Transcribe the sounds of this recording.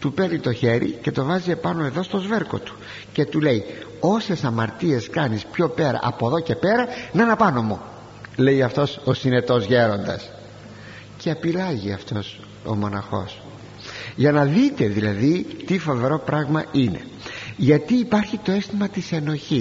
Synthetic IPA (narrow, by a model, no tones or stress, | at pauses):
t̪upeɾnit̪o̞çe̞ɾḭce̞t̪o̞vɐzie̞pɐno̞e̞ðo̞st̪o̞zve̞ɾko̞̰t̪u̥ | ce̞t̪ule̞io̞se̞sɐmɐɾt̪ie̞skɐnispço̞pe̞ɾɐ̰ʔɐpoðo̞ce̞pe̞ɾɐnɐnɐpɐnomu | le̞iɐft̪o̞sosine̞t̪o̞zʝe̞ɾo̞nd̪ɐ̰s | ceɐpilɐʝiɐft̪o̞s | o̞̰mo̞nɐxo̞̰s | ʝɐnɐðit̪e̞ðilɐðit̪ifo̞ve̞ɾo̞pɾʔɐɣmɐʔine̞̰ | ʝɐt̪iːpɐɾçit̪o̞est̪imɐt̪ise̞no̞çi